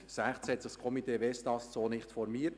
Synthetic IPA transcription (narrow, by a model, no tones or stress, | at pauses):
sæχtshɛt̪d̥ɑskʰɔmitʰeːvɛstɑssoːnɪχtfɔɾmiːə